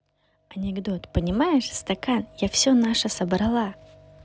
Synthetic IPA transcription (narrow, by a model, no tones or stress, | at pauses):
ɐnʲɪɡd̪o̞t̪pənʲɪmajɪʂst̪ɐkanjafsʲɵnaʂəsəbɾɐlˠa